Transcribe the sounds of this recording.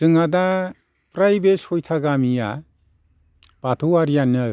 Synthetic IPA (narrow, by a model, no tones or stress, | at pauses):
z̥ɯŋada | pɾajbeshɔjtʰaɡamija̰ | b̥atʰuwaɾijanɯ